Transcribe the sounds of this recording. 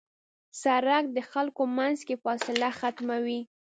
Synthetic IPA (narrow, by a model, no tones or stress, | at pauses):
saɾak̚d̪əxalkomanzkefɑsɪlaxat̪mawi